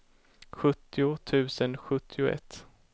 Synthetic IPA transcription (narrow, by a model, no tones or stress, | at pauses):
ɧɵt̪ːɪʊt̪ʰʉ̟ːsənɧɵt̪ʰːɪʊɛ̰t̪ː